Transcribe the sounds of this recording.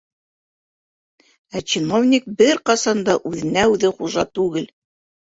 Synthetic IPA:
æt͡ɕinovnʲik̚bɘɾqɑsɑnd̪ɑʔʉðɘ̆næʉðɘχuʒɑt̪ʉɡɘl

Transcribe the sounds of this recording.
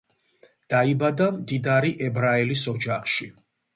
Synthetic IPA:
d̪̥aibad̪amd̪id̪aɾiʔɛbɾaɛlisɔd͡ʒaχʃi

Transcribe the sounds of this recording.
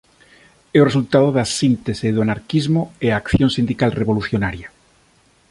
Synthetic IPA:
eore̞sult̪að̞oðasint̪eseðoanaɾkizmoeakθjonsĩnd̪ikalreβo̞luθjonaɾja

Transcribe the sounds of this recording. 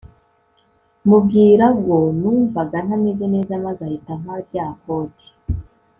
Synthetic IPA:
mub̚ɡiːɾaɡonuːɱvaɡan̥ameze̞ne̞ːzamazahitam̥aɾjahoti̥

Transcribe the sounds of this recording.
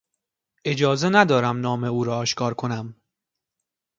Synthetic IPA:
ʔe̞d͡ʒɒːze̞næd̪ɒːɾæmnɒːme̞uːɾɒːʃkʰɒːɾkʰo̞næm

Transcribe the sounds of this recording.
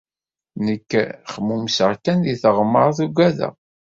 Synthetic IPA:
nəkːχəmumsəɾkænðiθəʁmːəɾˤɑθuɡæðæ̰

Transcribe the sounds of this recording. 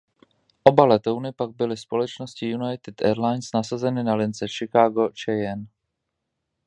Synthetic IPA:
ʔo̞balɛt̪ownɪpaɡ̚bɪlɪspo̞lɛt͡ʃnoscɪjunajt̪ɪd̪ʔɛɾlajnsnasazɛnɪnalɪnt͡sɛʃɪkaːɡo̞t͡ʃɛjɛn

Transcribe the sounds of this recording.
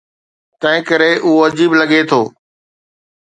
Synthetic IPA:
t̪ɐ̃ɦɪ̃kəɾeʔʊoɐd͡ʑiːblɐɠet̪ʰoː

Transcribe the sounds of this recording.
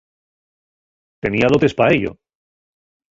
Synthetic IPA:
t̪e̞niaðo̞t̪e̞spaeʎo̰

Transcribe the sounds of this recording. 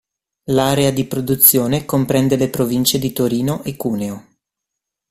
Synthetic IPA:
laːɾead̪ipɾod̪ut̪sːjoːnekompɾɛnd̪elepɾovint͡ʃed̪it̪oɾiːnoʔekːuːneo

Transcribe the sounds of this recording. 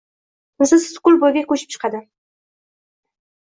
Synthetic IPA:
əzəzskʊlʲbojbekʰʲɵʃɪ̥p̚ʃʰə̥qɑd̪ə

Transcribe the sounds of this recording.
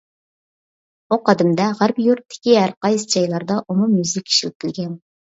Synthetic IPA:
uqɑd̪ɪmd̪ɛʁæɾpjuɾt̪ʰːɪ̥kʲiɦæɾqɑjsd͡ʒɑjlˠɑɾd̪ɑʔumumjyzɪkʲʰi̥ʃilɪp̚t̪ʰʲɪlɡʲɛn

